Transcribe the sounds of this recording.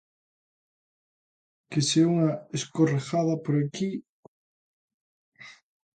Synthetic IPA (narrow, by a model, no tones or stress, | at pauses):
keseuŋɐeskorexaðɐpoɾaki